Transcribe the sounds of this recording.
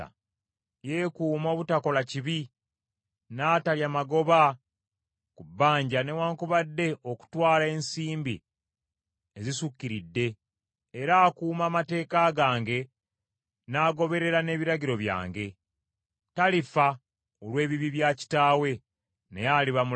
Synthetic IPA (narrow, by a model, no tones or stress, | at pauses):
je̞ːkuːmo̞ːβutako̞laciβi | naːtaljaːmaɡo̞βa | kubːaːɲɟane̞waːŋkuβadːe̞ʔo̞ku̥twaːlae̞nsiːmbḭ | ezisukːiɾidːe̞ː | ɾaːkuːmaːmate̞ːkaɡaːŋɡe̞ | naːɡo̞βe̞ɾe̞ɾane̞ːβiɾaɟiɾo̞βja̰ːŋɡe̞ | talifa | olwe̞ːβiβiβjaci̥taːwe̞ | nejaliβamu